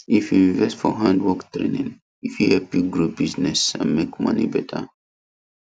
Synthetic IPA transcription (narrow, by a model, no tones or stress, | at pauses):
ifjuĩɱvɛstfɔɦãndwɔktɹḛ̃nĩn | ifjuhɛlpjuɡɹubiznɛsã̰nmekmʌ̰nḭbɛtʰə̰